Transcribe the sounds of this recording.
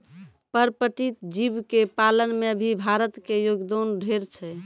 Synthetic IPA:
pəɾpəʈit̪d͡ʒibkepalənmeəbʱibʱaɾət̪kejoɡd̪onɖʱeɾt͡ʃʰɛ

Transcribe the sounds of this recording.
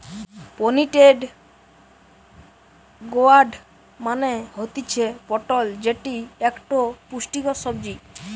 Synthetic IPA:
poniʈeɖ | ɡoaɾɖ | maneɦot̪it͡ɕʰepɔʈold͡ʑeʈiekʈopuʃʈikosɔbd͡ʑi

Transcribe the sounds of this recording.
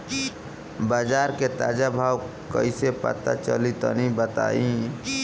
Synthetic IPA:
baːd͡ʒaːɾket̪aːd͡ʒabʱaːw | kə̰isepə̰t̪at͡ʃəlit̪o̰nĩbət̪a̰ːĩ

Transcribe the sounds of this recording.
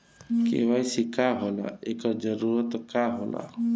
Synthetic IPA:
kḛʋajsikaɦola̰ekəɾd͡ʒəɾuɾət̪kaɦola̰

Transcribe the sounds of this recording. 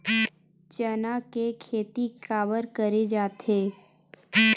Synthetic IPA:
t͡ʃənakekʰeːt̪ikaːʋəɾkəɾed͡ʒaːt̪eː

